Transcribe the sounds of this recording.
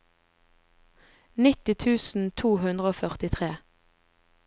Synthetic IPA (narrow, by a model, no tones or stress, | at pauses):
nɪt̪ɪt̪ʰʉːsn̩t̪ʰuːhʉnd̪ʁəoːfœʁt̪ɪt̪ʰʁeː